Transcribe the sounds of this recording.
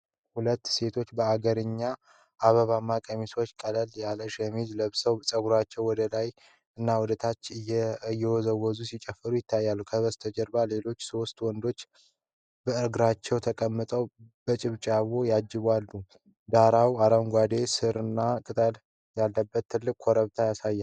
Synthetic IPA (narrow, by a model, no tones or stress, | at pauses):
hulət̪ːse̞t̪ʰo̞t͡ʃːbəaɡəɾɨɲːa | ʔaβəβamːakʼəmiso̞t͡ʃːkʼələljaləʃəmid͡ʒləβsəwsʼəɡuɾat͡ʃːɛwwɔd̪əlaj | ɨnːawud̪ət̪ʰat͡ʃːɨjːɛwɔzəwɔzusit͡ʃʼɛfːəɾujɪt̪ʰːajːalːukʰəβəst̪ʰəd͡ʒəɾbale̞lo̞t͡ʃːso̞st̪wɔnd̪o̞t͡ʃː | bəɨɾɡɨɾat͡ʃːɛwt̪ʰəkʼəmːɨt̪ʼəwb̥ət͡ʃʼɪβt͡ʃʼaβo̞jad͡ʒːɪβalːu | d̪aɾawaɾəwŋɡʷad̪e̞sɨɾɨnːakʼɨt̪ʼəl | jalːəbːət̪ʰːɨlːɨkʼʰːɔɾəβt̪ʰajasajːal